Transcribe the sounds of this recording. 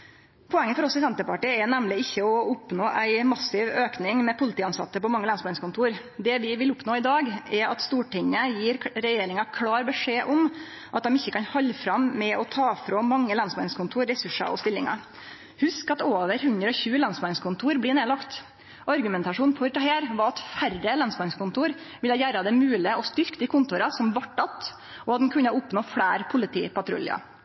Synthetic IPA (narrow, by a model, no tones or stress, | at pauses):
pʰɔɛŋːəfɔɾɔsːɪsɛnt̪əpɑʈiːəɛnæmlɪɪçːəɔʊpnoːʔæɪmɑsɪʋøːknɪŋmɛpʰʊlɪt̪iːɑnsɑ̰t̪ːəpɔmɑŋːəlɑnsmɑnskʰʊnt̪ʰuːɾ | d̪ɛʋɪʋɪlʊpnoːɪd̪ɑːɡɛɾɑ̰t̪st̪uːʈɪŋːəjiːɾɾɛjeːɾɪŋɑkʰlɑːɾbəʂeːʔɔm | ʔɑt̪̚d̪ɛmɪçːəkɑnhɑlːfɾɑmːɛɔt̪ʰɑːfɾoːmɑŋːəlɑnsmɑnskʊnt̪ʰuːɾɾɛsʉʂɑ̰ɔ̰st̪ɪlːɪŋɑ̰ | hʉskɑt̪oːʋəɾhʉnd̪ɾəɔçʉːəlɑnsmɑnskʊnt̪ʰuːɾblɪneːlɑkt̪ | ʔɑɾɡʉmɛnt̪ɑʂuːnfɔɾd̪ɑheːɾʋɑɾɑt̪færəlɑnsmɑnskʊnt̪uːɾ | ʋɪləjæːɾɑd̪ɛmʉːlɪəɔst̪ʏɾkd̪iːkʰʊnt̪ʊɾɑsɔmʋɑʈːɑt̪ | ʔɔɑt̪d̪ɛn̩kʰʉnːəʊpnoːfɽæːɾpʰʊlɪt̪ʰḭːpɑt̪ɾʊ̰lɪ̰ɑ̰